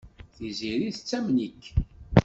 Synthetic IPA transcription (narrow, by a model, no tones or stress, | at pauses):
θiziɾiθət͡sːæmnikː